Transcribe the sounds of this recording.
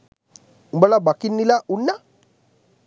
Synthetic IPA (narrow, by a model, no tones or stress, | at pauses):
umbalabakinːilaʔunːa